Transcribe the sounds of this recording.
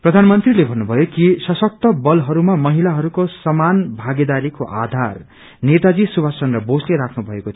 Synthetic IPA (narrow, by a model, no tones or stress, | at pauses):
prʌd̪ʱanmʌnt̪rilebʱʌnːubʱʌjokisʌsʌk̚t̪ʌbʌlɦʌɾumamʌɦilaɦʌɾukosʌmanbʱaɡed̪aɾikoʔa̰d̪ʱar | net̪ad͡zisubʱasʌnrʌbosleɾakʰnubʱʌekot̪ʰ